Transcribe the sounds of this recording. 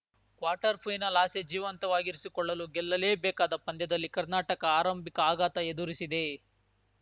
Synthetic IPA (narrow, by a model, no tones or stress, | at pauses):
kʋaːɾʈɐɾpʰɐjnɐlaːsed͡ʒiːʋɐnt̪ɐʋaːɡiɾisikɔɭːɐluɡɛlːɐle̞ːbɛːkaːd̪ɐpɐnd̪jɐd̪ɐlːikɐɾnaːʈɐkɐaːɾɐmbikɐaːɡaːt̪ɐed̪uɾisid̪e̞